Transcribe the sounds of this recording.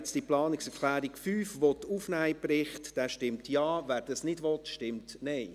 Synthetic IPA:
t͡sd̥iplɑːnɪksɛɾklæːɾikfyːfʋɔt̪ufnæːjpɾɪχtd̥ɛːʃtɪmtjɑːvæːɾd̥ɑsnɪdʋɔt̪ʃtɪmtnɛɪ

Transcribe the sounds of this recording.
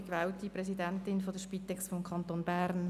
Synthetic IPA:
kʋɛːwtiprɛsidɛntɪnfɔdəʃpit̪ɛksfɔmkʰɑnt̪oːnbæɾn

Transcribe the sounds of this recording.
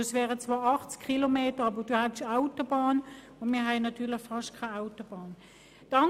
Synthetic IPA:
svɛːʁət͡sv̥aːɑχt͡skʰχilomeːtəʁɑbəd̥uːhatʃaʊtobɑːn | ʊndmiːɐɦaɪnɑtyːɐlɪçfɑʃtkʰaaʊtob̥ɑːn | d̥ɑ

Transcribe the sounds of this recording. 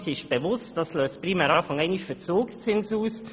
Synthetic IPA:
sɪʃb̥evʊstd̥ɑsløːst̚pʁimɛːɾɑːfɑŋɛɪniʃfət͡soːkst͡sɪnsuːs

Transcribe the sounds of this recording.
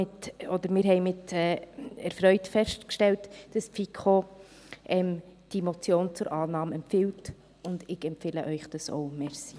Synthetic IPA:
ɪtɔdəɾmɪːɾɦɛɪmɪtɛːɛɾfɾœʏtfɛʃtkʃtɛltd̥ɑspfikʰχo | ʔɛmd̥imot͡sjoːnt͡sʊɾʔɑːnɑːmɛmpfɪlt | ʊndɪɡɛmpfɪːləʔœʏχd̥ɑso̰ʊmɛɾsi̥

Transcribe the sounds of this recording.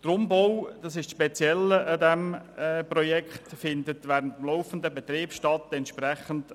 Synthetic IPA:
d̥ɾʊmboʊd̥ɑsɪʃʃpɛt͡sjɛləədɛmːprɔjɛkχtfɪndətʋɛːɾəntəmloʊfəndəbɛt̪ɾiːpʃtɑtɛntʃpɾɛχənt

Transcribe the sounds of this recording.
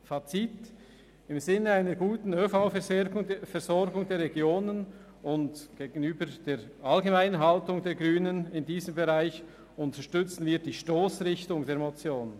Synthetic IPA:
fat͡sit | ɪmzɪnːəaɪnəɡuːtn̩øfaʊɡʊŋfɛɾzɔɾɡʊŋdeːɾʁeɛɡjoːnən | ʊntɡ̥eːɡn̩yːbəd̥eːɾʔalɡemaɪnənɦaltʊŋdeːɡʁyːnənɪndiːzəmbeʁaɪç | ʊntəʃtʏt͡sn̩viːd̥iːʃtoːsʁɪçtʊŋdeːɐɾmot͡sjoːn

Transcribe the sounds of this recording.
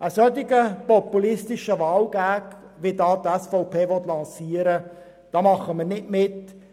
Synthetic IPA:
ʔəsœtɪɡəpɔpulɪstɪʃəʋɑːlɡ̥æːk | ʋitɑːtɛsfɔʊpʰeːʋɔt̪lɑ̃nsiːəɾə | d̥ɑːmɑχəmənɪtmɪt

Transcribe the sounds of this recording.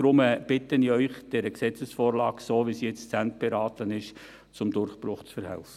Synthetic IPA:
d̥ɾʊməb̥ɪtəniœʏχd̥ɛɾəksɛt͡səsfoːɾlɑːksoːʋisijɛt͡st͡sænt̚b̥eɾɑːtənɪʃ | t͡sʊmdʊɾχpɾʊχt͡sfəɾhɛ̰lfə

